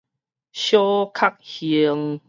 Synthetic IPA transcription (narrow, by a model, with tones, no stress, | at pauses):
ɕjo˦kʰa˦k̚hi˨˧˨əŋ